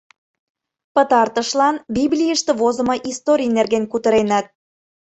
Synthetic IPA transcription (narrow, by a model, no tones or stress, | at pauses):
pə̆t̪ɑrt̪ə̆ʃlɑnbiβlʲijəʃt̪ĕβozə̆mɤ̆ʔist̪oɾʲijnerɣenkut̪ə̆ɾenæt̪̚